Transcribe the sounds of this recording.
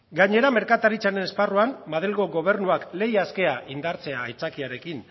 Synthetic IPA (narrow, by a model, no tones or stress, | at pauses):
ɡaɲe̞ɾame̞ɾkat̪aɾit͡sane̞ne̞sparuanːaðelɣo̞ɣo̞β̞e̞ɾnuakle̞jaske̞aʔind̪aɾt͡se̞aːjt͡sakiaɾe̞kin